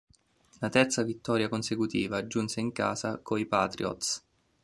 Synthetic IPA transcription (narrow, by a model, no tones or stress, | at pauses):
lat̪ɛrt̪savit̪ːɔːɾjakonsekut̪ḭːvaːd͡ʒːunseiŋka̰ːzakoipat̪ɾiɔ̰t̪s